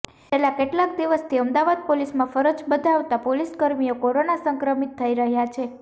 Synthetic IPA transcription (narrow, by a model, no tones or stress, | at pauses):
t͡ʃelakeʈlak̚d̪iʋəst̪ʰiəmd̪aʋad̪̚polismãfəɾəd͡ʒbəd̪ʱaʋt̪apoliskəɾmijokoɾonasəŋkɾəmit̪ʰːəiɾəɦjat͡ʃʰe